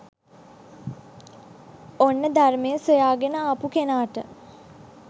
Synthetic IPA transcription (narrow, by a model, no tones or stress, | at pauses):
onːəd̪armejəsojaːɡenəapukenaːʈə